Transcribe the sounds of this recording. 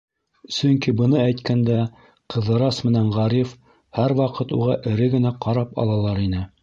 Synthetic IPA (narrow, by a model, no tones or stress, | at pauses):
sɵŋkibɤ̆nɤæjt̪kʰænd̪æ | qɤ̆ðɤ̆ɾɑsmɘ̆næɴʁɑɾif | hæɾwɑqɤt̪ṵʁɑʔɘ̆ɾɘɡɘ̆næqɑɾɑpɑ̰lˠɑlˠɑɾinɘ